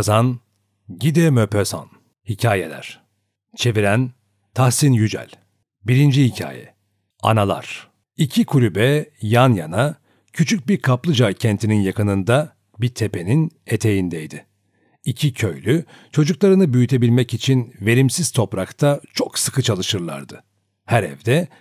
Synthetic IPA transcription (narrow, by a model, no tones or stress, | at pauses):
zan | ɟid̪ɛmøpʰeza̰n | hicʰaːjḛlʲæ̰ɾ̥ | t͡ʃʰe̞viɾæn | t̪ʰahsinjyd͡ʒæ̰lʲ | biɾind͡ʒihicʰa̰ːjɛ̰ | a̰nalˠa̰ɾ̥ | icʰikʰuɾʲybɛjanja̰na | cʰyt͡ʃʰyc̚biɾkʰaplˠɯd͡ʒajcʰɛnt̪ʰininjakɯnɯnd̪a | biɾt̪ʰe̞pʰe̞nine̞t̪ʰe̞jind̪ɛjd̪ɪ | icʰicʰø̞jlʲy | t͡ʃʰo̞d͡ʒuklˠaɾɯnɯbyjyt̪ʰe̞bilʲmɛcit͡ʃʰinve̞ɾimsiz̥t̪ʰo̞pɾakt̪ʰat͡ʃʰo̞ksɯkʰɯt͡ʃʰalˠɯʃɯɾlˠa̰ɾd̪ɯ | hæɾɛ̰vd̪ɛ